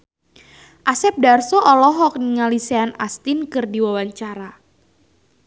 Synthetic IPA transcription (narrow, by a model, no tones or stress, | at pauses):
ʔasɛp̚darsɔʔɔlɔɦɔk̚niŋaliseanast̪inkɨrdiwawaɲt͡ʃaɾa